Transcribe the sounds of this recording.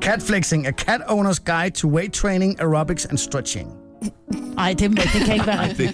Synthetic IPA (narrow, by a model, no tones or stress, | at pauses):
kʰætflɪksɪ̃ŋɨkʰæɾõʊ̃nə˞sɡ̥aɪd̚tʰəweɪtʰɹ̥ẽɪ̃ñɪ̃ŋəɹɑbɪksɨ̰̃nstɹ̥ɛt͡ʃɪ̰̃ŋ | aɪdɪdⁿn̩meɪk̚ðɨkʰẽɪbæ